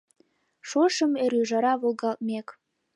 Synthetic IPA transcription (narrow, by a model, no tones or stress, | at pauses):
ʃoʃəmeɾyʒɑɾɑβolˠɣɑlt̪̚mʲek